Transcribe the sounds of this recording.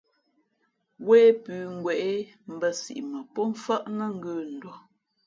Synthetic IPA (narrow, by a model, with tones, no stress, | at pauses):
weː˦pʉː˨˦ŋ̩˨ɡwɛ˨ʔe˦m̩˦bə˦sḭ˨ʔmə˨pɔ˦ɱ̩˦fə˦ʔnə˦ŋ̩˦ɡə˦˨n̩˨dɔ˦